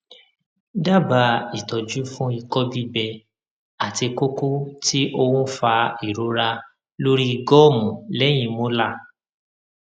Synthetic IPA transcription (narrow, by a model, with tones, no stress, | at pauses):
da˦˨ba˧i˨tɔ˨d͡ʒu˦fũ˦i˧kɔ˦bi˦bɛ˧ | a˨ti˧ko˦ko˦tʰi˦ʔo˧wũ˦fa˧i˨ɾo˨˦ɾa˧ | lo˦ɾi˦i˧ɡɔ˦˨mũ˨lɛ˨˦j̃ĩ˧mõ˦la˦˨